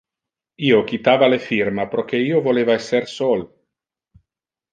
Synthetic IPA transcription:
iːok̟it̪aːvalefirmapɾok̟eiːovoleːvaesːersol

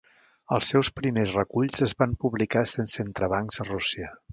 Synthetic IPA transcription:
əlˠsːɛwspɾimezrəkuʎzəzβampuβlikasensent̪ɾəβaŋkzərusiə

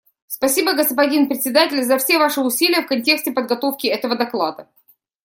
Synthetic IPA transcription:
spɐsʲibəɡəspɐdʲinpɾʲɪt̪ʲsʲɪd̪atʲɪlʲzɐfsʲevaʂɨʊsʲilʲɪjəfkɐnʲtʲe̞ksʲtʲɪpəd̪ɡɐt̪o̞fkʲɪɛt̪əvəd̪ɐklˠad̪ə

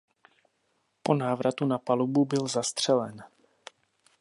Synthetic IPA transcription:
po̞naːvɾʔat̪unapalububɪlzast̪r̝̥ɛlɛ̰n

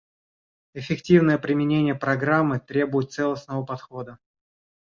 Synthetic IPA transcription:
ɪfʲɪktʲivnəjəpɾʲɪmʲɪnʲenʲɪjəpɾɐɡɾamːɨt̪ɾʲebʊjɪt̪t̪sɛlˠəsnəvəpɐt̪xo̞d̪ə

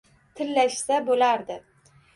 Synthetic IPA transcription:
t̪ʰɪlːaʃsabolaɾd̪ɪ

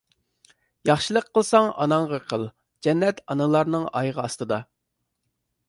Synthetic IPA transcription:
jɑχʃilˠəqʰːəlˠsɑŋɑ̰nɑɴʁɑqʰəlˠ | d͡ʒɛnːɛt̪ʰɑnɨlˠɑɾnɨŋɑjʁɑɑst̪ɨd̪ɑ

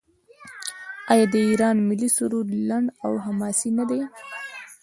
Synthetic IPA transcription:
ɑjɑd̪əiɾɑnmɪlisʊɾuɾlaɳɖawɦamɑsinad̪e

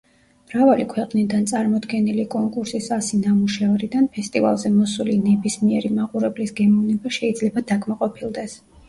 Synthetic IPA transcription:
mɾavalikʰwɛqʼnid̪ant̪sʼaɾmɔd̪ɡɛnilikʼɔŋkʼuɾsisasinamuʃavɾid̪anpʰɛst̪ʼiva̰lˠzɛmɔsulinɛbismiɛɾimaqʼuɾɛblisɡɛmɔvnɛbaʃɛid̪zlɛbad̪akʰʼmaqʼɔpʰilˠd̪ɛs

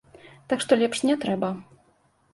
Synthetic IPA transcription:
t̪akʂt̪ɔlʲɛpʂnʲɛt̪ɾɛbɐ

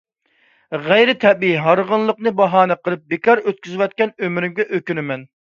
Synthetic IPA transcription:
ʁæjɾɪt̪ʰɛbiiɦɑɾʁənlˠəqnɨbɑɦɑːnɛqʰəlˠɨp̚bɪkʰɑɾøt̪̚kʲyzɪwɛt̪̚kʲɛnømɾɪmɡʲɛʔøkʲynɪmɛn

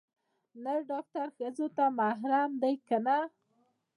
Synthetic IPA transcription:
naɾɖɑk̚t̪aɾxəzot̪amaɦɾamd̪ajkana

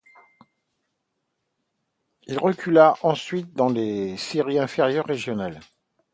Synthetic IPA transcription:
ilʁəkʲʰylaʔɑ̃sɥit̪̚d̪ɑ̃lesiʁiɛ̃feʁjœʁːeʒjɔnal

